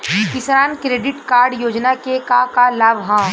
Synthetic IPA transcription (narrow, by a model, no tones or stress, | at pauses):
kɪsɾaːnkɾeːɖɪʈkaːɾɖjoːd͡ʒnakekakalaːbʱɦãː